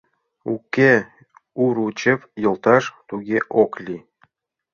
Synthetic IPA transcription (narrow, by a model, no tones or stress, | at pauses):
ukʲːe | uɾut͡ɕĕvjɤ̆lˠt̪ɑʃt̪uɡʲeʔoklʲi